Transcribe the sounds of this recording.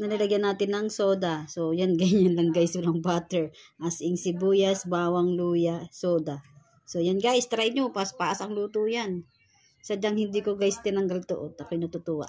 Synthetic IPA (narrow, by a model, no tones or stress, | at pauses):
nɐlɐlɐɡjanaːt̪ɪnːɐŋsoːd̪asojanɡɐjɲanlɐŋɡajsʊlɐŋbat̪ɛɹʔasɪŋsɪbuːjasbaːwaŋluːjasoːd̪a | sojanɡaʔɪst̪ɾajɲopaspaʔasɐŋluːt̪ujan | sɐd͡ʒaŋhɪnd̪ikoɡajst̪ɪnɐŋɡalt̪ʊ̰ʔot̪ːɐkojnɐt̪ʊt̪uwa̰ʔ